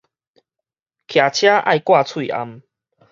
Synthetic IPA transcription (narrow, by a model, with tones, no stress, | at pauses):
kʰja˨˩t͡ɕʰja˦ʔa̰˥˨jkwa˥˧t͡sʰwi˥˨ʔa̰˧m